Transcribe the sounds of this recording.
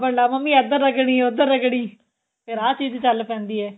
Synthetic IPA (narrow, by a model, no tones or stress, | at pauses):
bəlaːməmːiːɛd̪əɾəɡɽ̃iːʊd̪əɾəɡɽiː | pʰeɾaːt͡ʃiːd͡ʒt͡ʃəlːpʰɛ̃ːnd̪iːɛː